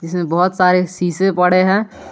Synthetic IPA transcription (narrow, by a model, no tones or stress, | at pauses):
d͡ʒɪsmẽbɔɦʊt̪saːɾesiːsepɐɽ̤eɦɛ̃ː